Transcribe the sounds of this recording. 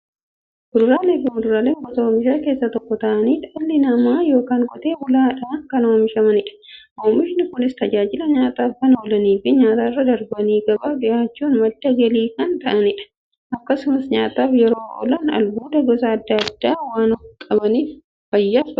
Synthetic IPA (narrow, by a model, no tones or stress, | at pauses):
bʊɾʊɾaːleːfɪmʊdʊɾaːleːŋɡɔt̪ɐoːmɪʃaːke̞ːsːɐt̪ɔkːɔt̪ɐʔɐniːᶑɐlːɪnɐmaːjo̞ːkaːŋkʼɔt̪eːbʊlaːᶑaŋkɐno̞ːmɪʃɐmɐnɪᶑɐ̥ʔoːmɪʃɪnɪkʊnɪst̪ɐd͡ʒaːd͡ʒɪlɐɲaːt̪aːfkɐnoːlɐniːfɪɲaːt̪aːrːɐd̪ɐɾbɐniːɡɐbaːbɪʔaːt͡ʃːuːnmɐd̪ːɐɡɐliːkɐnt̪ɐʔɐnɪᶑɐ̥ | ʔɐkːɐsʊmɐsɲaːt̪aːfjɛɾo̞ːʔɔ̰lɐnɐ̰lbuːd̪ɐɡɔsɐːd̪ːɐɐd̪ːaːwaːnɔfkʼɐbɐniːf | fɐjːaːsɐ